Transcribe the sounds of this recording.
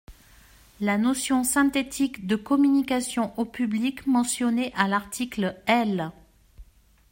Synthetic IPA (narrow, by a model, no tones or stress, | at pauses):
lanɔsjɔ̃sɛ̃t̪et̪ʰikd̪əkɔmynikasjɔ̃ʔopyblikmɑ̃sjɔneʔalaʁt̪ʰiklɛl